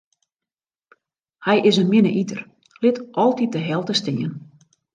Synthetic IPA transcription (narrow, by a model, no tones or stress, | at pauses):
hɛjɪsənmɪnə̰ʔitər | lɪtʔɔlˠtit̚dəɦɛlˠtəstɪən